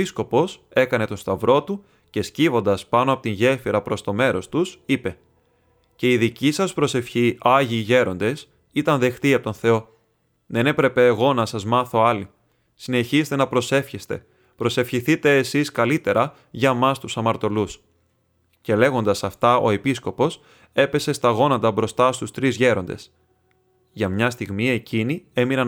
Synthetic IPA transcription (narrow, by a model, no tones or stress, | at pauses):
isko̞po̞se̞kɐne̞t̪o̞st̪ɐvɾo̞t̪u | ce̞scivo̞nd̪ɐspɐnoɐpo̞t̪inʝe̞fiɾɐpɾo̞st̪o̞me̞ɾo̞st̪usipe̞ | ce̞iðicisɐspɾo̞se̞fçiɐʝiʝe̞ɾo̞nd̪e̞s | it̪ɐnðe̞xt̪iɐpot̪onθe̞o̞ | ðe̞ne̞pɾe̞pe̞ːɣo̞nɐsɐzmɐθo̞ɐli | sine̞çist̪e̞nɐpɾo̞se̞fçest̪e̞̰ | pɾo̞se̞fçiθit̪e̞ːsiskɐlit̪e̞ɾɐ | ʝɐmɐst̪usɐmɐɾt̪o̞lus | ce̞le̞ɣo̞nd̪ɐsɐft̪ɐo̞̰e̞pisko̞po̞s | e̞pe̞se̞st̪ɐɣo̞nɐnt̪ɐbɾo̞st̪ɐst̪ust̪ɾizʝe̞ɾo̞nd̪e̞̰s | ʝɐmɲɐst̪iɣmie̞cinie̞minɐ